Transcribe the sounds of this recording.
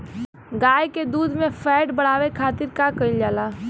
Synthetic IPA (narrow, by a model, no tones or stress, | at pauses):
ɡaːjked̪uːd̪ʱmẽpʰɛːʈbəɽ̤aːʋekʰaːt̪ɪɾkakəɪld͡ʒaːlaː